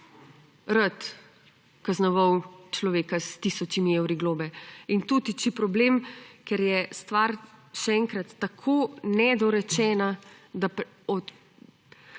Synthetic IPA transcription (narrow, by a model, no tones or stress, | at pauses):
ɾət̪ | kaznɔʋɐwt͡ʃlɔʋeːkast̪isɔt͡ʃimiewɾiɡloːbɛint̪ut̪it͡ʃipɾɔblemkɛɾjɛst̪ʋaɾʃɛɛŋkɾat̪ːakʰonɛd̪ɔɾɛt͡ʃɛːnad̪ap | ɔ